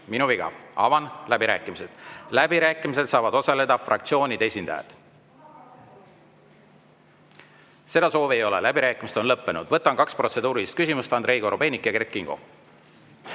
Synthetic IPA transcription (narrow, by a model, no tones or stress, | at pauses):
minuviɡ̥ɑ̰ɑ̰vɑnlæbiɾæ̰ːkːˑimise̞d̪̥læbiɾæːkˑimise̞d̪sɑːvɑd̪o̞sɑle̞d̪ɑfrʔɑ̰kt̪sio̞ːnʲid̪̥e̞sʲind̪̥ɑ̰jɑ̰d̪̥ | se̞d̪ɑso̞ːvejo̞lḛlæbiɾæːkːˑimiset̪onlɤpːe̞nud̪̥vɤt̪ːˑɑnkɑkspro̞t̪se̞d̪uːɾist̪̚kysʲimust̪ɑnd̪ɾe̞jɡoɾob̥e̞ːnikːjɑkerkːˑiŋɡ̥o̞̰